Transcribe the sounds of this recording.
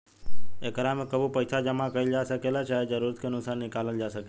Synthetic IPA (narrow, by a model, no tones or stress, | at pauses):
ekəɾamekəbupəjsad͡ʒəmãkəild͡ʒaʃəkelat͡ʃaɦed͡ʒəɾuɾət̪kʰeənusanːɪkaləld͡ʒaʃəke